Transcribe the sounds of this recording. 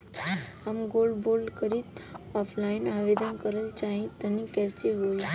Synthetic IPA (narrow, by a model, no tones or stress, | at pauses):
əmɡolɖbolkəɾit̪ɔfʰlainaʋed̪ənkəɾəlt͡ʃaɦĩt̪ənĩkɛseɦoi